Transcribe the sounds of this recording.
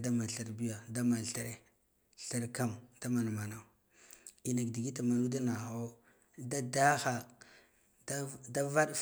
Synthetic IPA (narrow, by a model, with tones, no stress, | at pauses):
da˦ma˨ɬa˦ɾbi˦ja˨da˦ma˨ɬa˦ɾe˨ | ɬa˦ɾka˦md̥a˦ma˨na˨ma˨na˨ | i˨na˨kdi˨ɡi˦ta˨ma˨nu˦da˦na˨xo˦ | da˦da˦xa˨ | da˦da˦va˦ɗ